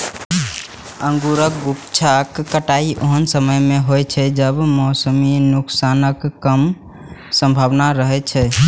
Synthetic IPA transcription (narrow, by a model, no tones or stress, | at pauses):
ə̃ŋɡuɾək̚ɡukt͡ʃʰakːəʈaiʔoɦənsəməjmeɦojt͡ʃʰɛd͡ʒəbmɔːsəminuksanəkːəm | sə̃mbʱabnaɾəɦɛt͡ʃʰɛ